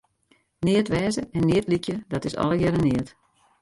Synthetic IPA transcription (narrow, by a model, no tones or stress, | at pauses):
nɪətʋɛːzəɛnːɪətlikjədɔtɪsɔ̰lˠəɡɛɾənɪət